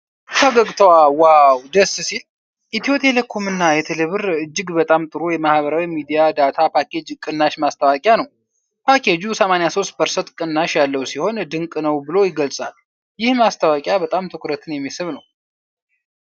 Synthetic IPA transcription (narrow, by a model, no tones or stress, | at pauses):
kʰəɡəɡʼt̪ʰəwawawd̪əssil | ʔit̪ʰiot̪ʰe̞lekʰomɨnːajɛt̪ʰeleβɨɾɨd͡ʒːɨɡbət̪ʼamt̪ʼɨɾojɛmahβəɾawimid̪ijad̪at̪ʰapʰakʰed͡ʒkʼɨnːaʃmast̪ʰəwakʼjanəw | pʰakʰed͡ʒusəmanjaso̞st̪̚bəɾsət̪kʼɨnːaʃjalːəwsiho̞nd̪ɨŋkʼnəwbɨlo̞jɪɡəlsʼal | jɪhmast̪ʰawakʼjabət̪ʼamt̪ʰɨkʷʰʼɾət̪ʰɨnjɛmːisɨβnəw